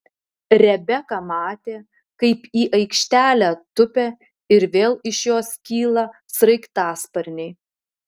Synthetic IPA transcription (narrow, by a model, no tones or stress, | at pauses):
ɾʲɛbʲɛkɑːmɑːt̪ʲeː | kɐɪpiːʔɐɪkʃʲt̪ʲæːlʲæːt̪ʊpʲæ | ɪɾʋʲeːlˠɪʃjoːskʲiːlˠɐ | sɾɐɪkt̪ɑːspɐɾʲnʲɛɪ